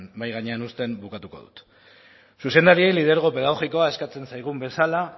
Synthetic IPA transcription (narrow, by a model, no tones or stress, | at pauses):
nbajɣaɲeanust̪e̞mbukat̪uko̞̰ðṵt̪ | suse̞nd̪aɾie̞jlið̞e̞ɾɣ̞o̞pe̞ðaɣ̞o̞ɣiko̞ae̞skat͡se̞nsajɣ̞umbe̞sala